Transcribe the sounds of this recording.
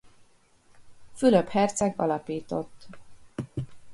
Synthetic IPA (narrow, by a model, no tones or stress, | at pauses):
fyløphɛrt̪sɛɡɒ̰lɒpiːt̪o̞t̪ː